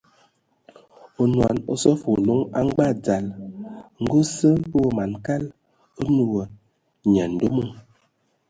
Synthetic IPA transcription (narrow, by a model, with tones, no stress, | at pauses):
o˨nwa˨no̰˨sɔ˦fo˨lo˦ŋa˦ŋ˦ɡ͡ba˦˨d͡za˨l | ŋ̩˦ɡo˦sə˦o˨ma˨nka˦l | o˦nu˨ə˨ | ɲa˨n̩˨do˦mo˦˨ŋ